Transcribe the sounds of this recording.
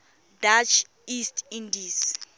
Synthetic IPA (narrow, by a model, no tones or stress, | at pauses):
dat͡ʃʰ | istʰindis